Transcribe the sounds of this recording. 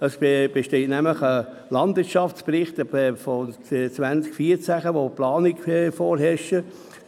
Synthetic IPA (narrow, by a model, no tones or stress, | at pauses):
əsb̥eʃteːtnæmləχə | lɑndvɪtt͡ʃʃɑft͡sprɪχtəfot͡sʋænt͡skfiːəɾt͡sæχəʋoplɑːnikfoːɾɦɛʃə